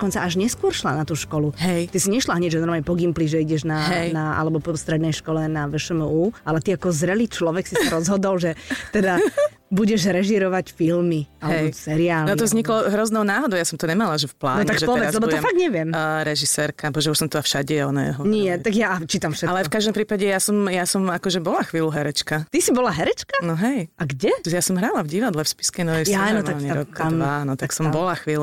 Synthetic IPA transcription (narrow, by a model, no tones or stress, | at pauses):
kɔnt͡saaʒɲɛskʊɔɾʃlanat̪uːʃkɔluɦɛjt̪isiɲɛʃlaɦɲɛɟʒɛnɔɾmaːɲɛpɔɡimpliʒɛiɟɛʒnaɦɛnaa̰lɛbɔpɔst̪ɾɛd̪nɛjʃkɔlɛnaʋɛʃɛmuːalɛt̪iakɔzɾɛliːt͡ʃlɔʋɛksisaɾɔzɦɔd̪ɔlʒɛt̪ɛd̪a | buɟɛʒɾɛʒiɾɔʋacfilmialɛbɔsɛɾiaːlnɔt̪ɔvzɲiklɔɦɾɔznɔʊnaːɦɔd̪ɔʊjasɔmt̪ɔɲɛmalaʒɛfpla̰ːnɔɲɛakʒɛtpɔɛʋɛɾazlɛbɔt̪ɔɛfaɡd̪ɲɛʋɪɛmɾɛʒisɛɾkabɔʒɛuʃsɔmt̪ɔafʃaɟɛɔnɛ̰ɛɦɔniɛt̪aɡjaat͡ʃiːt̪amfʃɛt̪alɛfkaʒd̪ɔmpɾiːpaɟɛjasɔmjasɔmakɔʒɛbɔlaxʋiːluɦɛɾɛt͡ʃkat̪isibɔlaɦɛɾɛt͡ʃkanɔɦɛjʔaɡɟɛjasɔmɦɾalavɟiʋad̪lɛfspi̥skɛnɔʋɛjanɔtmalɲɛɾɔkd̪anɔt̪aksɔmbɔlaxʋiːl